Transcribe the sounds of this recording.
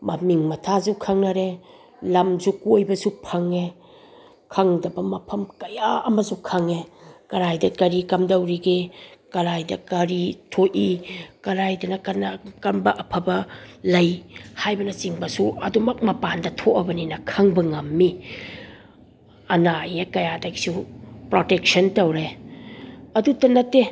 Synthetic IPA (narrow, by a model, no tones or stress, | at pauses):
mɐmiŋmɐtʰazukʰɐŋnɐɾe | lɐmzukojbɐsupʰɐŋe | kʰɐŋdɐbɐmɐpʰɐmkɐjaɐmɐsukʰɐŋekɐɾajdɐkɐɾikɐmdɐwɾiɡekɐɾajdɐkɐɾitʰoʔikɐɾajdɐnɐkɐnkɐmbɐʔɐpʰɐbɐlɐjhajbɐnɐt͡ʃiŋbɐsuɐdumɐk̚mɐpandɐtʰoʔɐbɐninɐkʰɐŋbɐŋɐmːi | ɐnajekɐjadɐɡi̥supɾotek̚sɐntɐwɾe | ɐdutɐnɐtːe